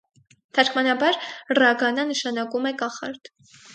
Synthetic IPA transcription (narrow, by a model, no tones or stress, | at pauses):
t̪ʰɑɾkʰmɑnɑbɑɾrɑɡɑnɑnəʃɑnɑkumɛkɑχɑ̰ɾt̪